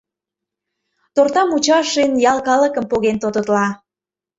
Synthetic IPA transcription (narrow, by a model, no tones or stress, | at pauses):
t̪ort̪ɑmut͡ɕɑʃenjɑlˠkɑləkə̆mpoɣent̪ot̪ət̪lɑ